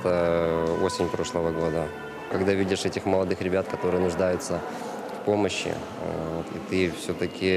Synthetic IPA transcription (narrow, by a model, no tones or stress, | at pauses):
t̪əo̞sʲɪnʲpɾo̞ʂlˠəvəɡo̞d̪ə | kɐɡd̪avʲidʲɪʂɛtʲɪxməlˠɐd̪ɨxɾʲɪbʲat̪kɐt̪o̞ɾɨjənʊʐd̪ajʊt̪sə | fpo̞məɕːɪ̰ | vot̪ḭt̪ɨfsʲɵt̪əkʲʰɪ